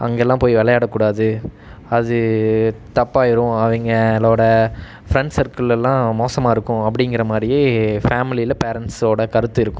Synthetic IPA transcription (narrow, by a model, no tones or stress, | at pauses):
ɐ̰ŋɡɐɛlːãːpoːjiʋɛlɐjaːɽɐkːuːɽaːðɯ | ɐðɯ | t̪ɐpːaːjɪɾʊ̃ɐʋɐŋɡɐɛlːoːɽɐ | fɾɛɳɖsɐɾkɯɭɛlːãːmoːsɐmaːɪɾɯkːʊ̃ɐp̬ːɐɽɪŋɡɪɾɐmaːd̪ɾɪjeːfaːmɪlilɐpeːɾɛɳʈsoːɽɐkɐɾɯt̪ːɯɪɾɯkːʊ̃